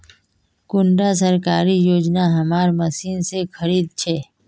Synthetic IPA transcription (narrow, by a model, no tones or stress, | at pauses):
kʊɳɖas̬əɾkaːɾijoːd͡ʒnaɦɐmaːɾmɐsiːnsexɐɾiːd̪̚t͡ʃʰɛː